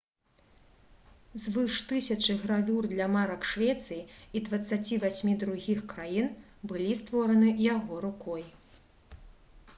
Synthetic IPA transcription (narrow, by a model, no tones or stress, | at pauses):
zvɨʂt̪ɨsʲɐt͡ʂɨɣɾavʲurd̪lʲɐmaɾɐkʂvʲɛt̪sɨjiid̪vɐt̪sːat͡sʲivasʲmʲid̪ɾuɣʲixkɾajin | bɨlʲist̪vɔɾɐnɨjaɣɔɾukɔj